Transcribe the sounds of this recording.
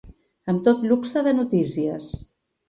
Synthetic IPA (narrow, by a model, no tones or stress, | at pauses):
əmt̪ot̪luksəðənut̪isiə̰s